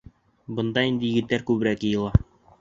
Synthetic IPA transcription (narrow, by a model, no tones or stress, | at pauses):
bɤ̆nd̪ɑind̪ɘ̆jɘ̆ɡɘ̆t̪ːæɾkʉβɘ̆ɾækjɤ̆jɤ̆lˠɑ